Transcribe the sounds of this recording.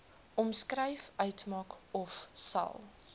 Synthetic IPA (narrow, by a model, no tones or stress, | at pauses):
ʔɔmskrɛjfœɥtmɑːkɔfsɐ̰lˠ